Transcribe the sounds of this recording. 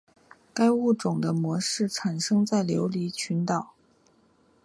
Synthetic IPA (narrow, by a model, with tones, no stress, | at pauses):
ka˥ɪu˥˩ʈ͡ʂʊ˨˩ŋd̪ə˦mwɔ˧˥ʂɻ̩˥˩ʈ͡ʂʰa˨˩nʂɤ˥ŋt͡sa˥˩ɪljo˧˥ʊli˧˥t͡ɕʰy˧˥nt̪ɑ˨˩˦ʊ